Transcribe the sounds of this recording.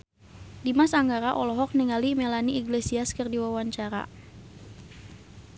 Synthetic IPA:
dimasaŋɡaɾaʔɔlɔɦɔk̚nɛŋalimɛlaniːɡlesiaskərdiwawaɲt͡ʃaɾa̰

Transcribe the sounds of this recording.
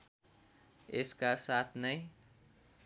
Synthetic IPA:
eskasat̪ʰnəj

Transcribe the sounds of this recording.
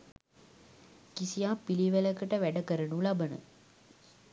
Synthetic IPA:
kisijaːpiliʋələkəʈəʋæɖəkəɾənulɐbənə̰

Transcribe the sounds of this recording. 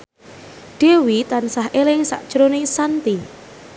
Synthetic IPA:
ɖ̪̥e̤wit̪ansahʔelɪŋsa̰ʔd̥ʒ̥əɾonisant̪i

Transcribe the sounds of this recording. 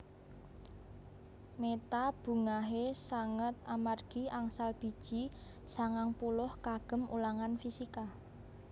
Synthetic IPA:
met̪ab̥ṳŋaɦesaŋət̪̚amarɡ̥i̤ʔaŋsalb̥i̤d̥ʒ̥i | saŋaŋpulʊhkaɡ̥ə̤mṵlaŋanfisika

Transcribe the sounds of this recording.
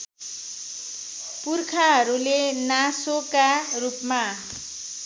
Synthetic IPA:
purkʰaɦʌɾulenasokarupma

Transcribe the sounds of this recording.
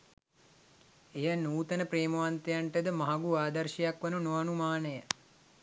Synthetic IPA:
ejanuːt̪ənəpɾeːməʋant̪ejaɳʈəd̪əmɐɦaɡuaːd̪ɐrʃijakʋɐnunoʋanumaːnəjə

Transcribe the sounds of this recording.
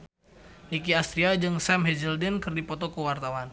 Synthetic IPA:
nik̬iast̪ɾiad͡ʒɨŋsɛmɦɛd͡ʒəldɛnkɨrdipɔt̪ɔkuwart̪awan

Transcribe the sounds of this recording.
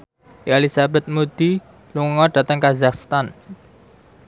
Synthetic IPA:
alisabɛt̪̚mud̪̥i | luŋŋɔɖ̥ä̤t̪əŋkazakst̪an

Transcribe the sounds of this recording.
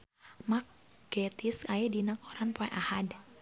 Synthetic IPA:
mak̚ | ɡ̥ɛt̪iskajɛdinakʰɔɾanpoɛʔahad

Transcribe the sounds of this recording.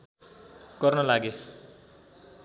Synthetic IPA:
ɡ̥ʌrnʌlaɡe

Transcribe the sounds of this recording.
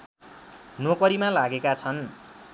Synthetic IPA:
nokʌɾimalaɡekat͡sʰʌn

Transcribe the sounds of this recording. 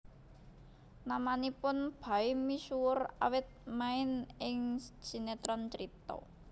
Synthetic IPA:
namanipʊnb̥a̤ɪmisuwʊra̰wɪt̪̚maɪnɪŋ̥ʒ̥i̤net̪ɾɔnt͡ʃəɾit̪ɔ̰

